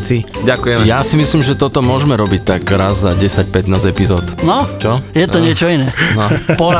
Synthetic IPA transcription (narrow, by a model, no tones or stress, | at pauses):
t͡siɟakujɛjasimislimʒɛt̪ɔt̪ɔmʊɔʒmɛɾɔbict̪aɡɾazːaɟɛsac̚pɛt̪naːzɛpizɔːt̪nɔt͡ʃɔjɛt̪ɔɲɪɛt͡ʃɔinɛːnɔpɔ